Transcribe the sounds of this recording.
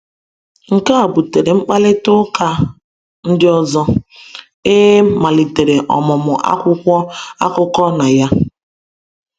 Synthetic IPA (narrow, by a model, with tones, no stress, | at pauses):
ŋ̩˨ka˦a˨bu˨te˨ɾe˨ŋ͡m̩˦k͡pa˦lɪ˦tʊ˦ka˦ | n̩˦dɪ˦ɔ˦zɔ˦ | e˦ma˨li˨te˨ɾe˨ʔɔ̰˨mʊ˨mʊ˨ʔa̰˦kʷʊ˦kʷɔ˦a̰˦kʊ˦kɔ˦na˨ja˦